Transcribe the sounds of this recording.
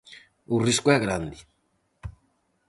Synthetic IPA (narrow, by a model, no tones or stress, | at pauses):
uriskuɛɣɾand̪i